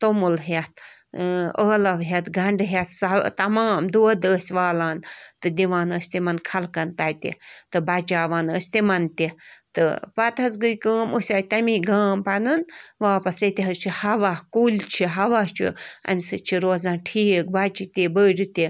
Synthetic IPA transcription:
t̪omulɦɐt̪̚ | əːlɐʋɦʲɐt̪ɡɐɳɖɦɐt̪sɐt̪ɐmaːmd̪uːɐd̪əːsʲʋaːlaːnt̪ɨd̪iʋaːnəːsʲt̪imɐnkʰɐlkɐnt̪aːt̪ḭt̪ɨbat͡ʃaːʋaːnəsʲt̪imɐnt̪it̪ɨ̰pɐt̪ʰɐzɡɨjkəːmusʲaːt̪ɐmiɡaːmpɐnɨnʋaːpɐsət̪ʲiɦɐzt͡ʃʰihɐʋakulʲt͡ʃʰiɦɐʋat͡ʃʰḭɐ̰mʲisɨt͡ʃʰiɾoːzãːnʈʰiːk̚bat͡ʃit̪ibəːɖʲit̪i

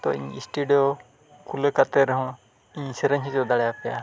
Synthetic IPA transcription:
t̪ɔḭɲḭsʈuɖijo | kʰuləkat̪ɛɾɦɔ̃ | iɲsɛɾəɲid͡ʒɔd̪aɽɛjapɛja̰

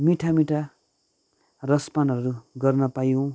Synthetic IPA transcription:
miʈʰamiʈʰa | rʌspanʌɾuɡʌrnʌpajõ

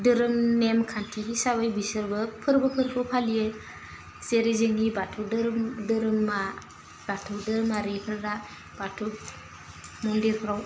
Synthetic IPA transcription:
dɯɾɯmnemkʰantʰiisabajbisɯɾbɯpʰɯɾbɯpʰɯɾpʰɯwpʰalije | seɾezeŋibatʰuwdɯɾmdɯɾɯmːa | b̥atʰuwdɯɾɯmaɾipʰɯɾɾa | b̥atʰu | mɔndiɾpʰɾaw

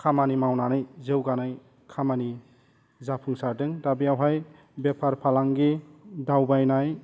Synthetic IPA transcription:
kʰamanimawnanɯjzewɡanaj | kʰamani | zapʰuŋsaɾdɯŋdabijawɦaj | bepʰaɾpʰalaŋɡidawbajnaj

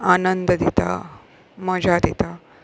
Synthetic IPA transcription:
anənd̪əd̪it̪a̰ | məd͡ʑʱad̪it̪a

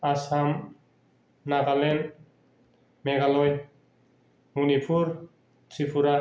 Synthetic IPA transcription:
asam | naɣalen | meɣalɔj̪ | unipʰuɾ | tʰipʰuɾa

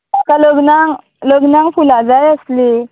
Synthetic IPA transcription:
akaləɡnaŋ | ləɡnaŋfulad͡zajəsle

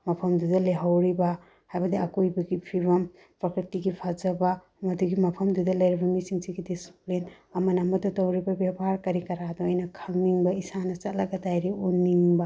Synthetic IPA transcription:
mɐpʰɐmdudɐleɦawɾibɐ | hajbɐdiɐkujbɐɡipʰiβɐm | pɾokɾitiɡipʰazɐbɐ | mɐduɡimɐpʰɐmdudɐlɐjɾibɐmisiŋsiɡidisi̥plin | ɐmɐnɐmɐtutowɾibɐbjabɐɦaɾkɐɾikɐɾadɐojnɐkʰɐŋniŋbɐisanɐt͡ʃɐt̚lɐɡɐdajɾiunːiŋbɐ

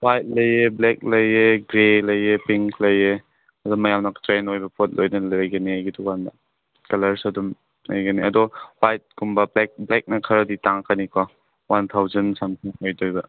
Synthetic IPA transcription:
wajt̚lɐjeblɛk̚lɐjeɡɾelɐjepiŋklɐje | ɐdɔmːɐjamnɐktɾenojbɐpʰot̚lojnɐlɐjɡɐniajɡitʰukandɐ̰ | kɐlɐɾsɐdum | lɐjɡɐniɐdɔwajt̚ɡumbɐlek̚blɛk̚nɐkʰɐɾɐditaŋkʰanikʰɔ | want̪ʰawzɐnsamtʰiŋhojdojbɐ

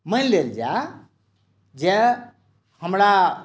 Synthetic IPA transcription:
məleld͡ʒa | d͡ʒe | həmɾa

